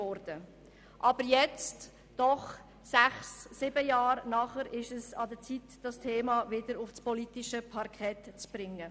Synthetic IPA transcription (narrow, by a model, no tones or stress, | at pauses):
ɔɾd̥ə | ʔɑb̥əɾjɛt͡st | d̥ɔχ | sæχsːɪbəjɑːɾnɑχəɾɪʃəsɑd̪ət͡sitd̥ɑstʰeːmɑvɪdəɾʊfspɔlitɪʃəpʰɑɾkʰɛtt͡sb̥ɾɪŋːə